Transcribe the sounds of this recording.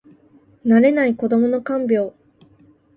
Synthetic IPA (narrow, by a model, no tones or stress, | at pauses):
naɾe̞naiko̞d̪o̞mo̞no̞kãmbʲo̞ː